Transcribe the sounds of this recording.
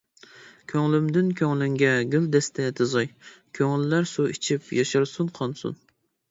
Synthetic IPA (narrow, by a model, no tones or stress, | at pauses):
kʲʰøŋlymd̪ɪnkʲʰøŋlɪŋɡʲɛɡʲyld̪ɛst̪ʰɛd̪ɨzɑjkʲʰøŋɪlːæɾsuḭt͡ʃʰipjɑʃɨɾsunqʰɑnsṵn